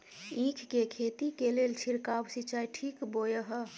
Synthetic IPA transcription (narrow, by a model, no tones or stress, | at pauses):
ĩkʰkekʰet̪ikelelt͡ʃʰiɾkawsit͡ʃajʈʰikbojəɦə